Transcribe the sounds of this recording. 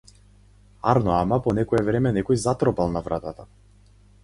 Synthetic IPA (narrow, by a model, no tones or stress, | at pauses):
a̰ɾnɔamapɔnɛkɔɛvɾɛmɛnɛkɔjzat̪ɾɔpalˠnavɾat̪at̪a